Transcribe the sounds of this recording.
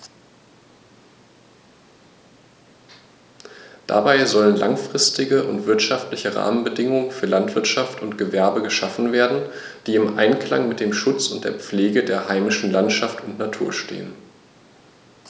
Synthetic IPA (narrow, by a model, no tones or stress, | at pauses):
d̥a̰baɪzɔlənla̰ŋfʁ̥ɪstɪɡəʔʊntv̥ɪɐtʃaftlɪçəʁa̰ːmənbədɪŋʊŋənfyːɐlantv̥ɪɐtʃaftʊntɡ̥əvɛɐbəɡəʃafn̩veːɐdn̩ | d̥iːɪmʔa̰ɪnkl̥a̰ŋmɪt̚d̥eːmʃʊt͡sʊntd̥eːɐp͡fleːɡədeːɐhaɪmɪʃn̩lantʃaftʊntnatʰuːɐʃtḛːən